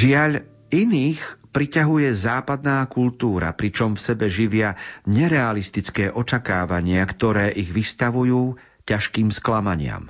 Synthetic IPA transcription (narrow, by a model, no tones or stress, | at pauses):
ʒɪaʎ | iniːxpɾicaɦujɛzaːpad̪naːkult̪uːɾa̰pɾit͡ʃɔmfsɛbɛʒiʋɪaɲɛɾɛalist̪it͡skɛːʔɔt͡ʃakaːʋaɲɪakt̪ɔɾɛːʔiɣʋist̪aʋujuː | caʃkiːmsklamaɲɪa̰m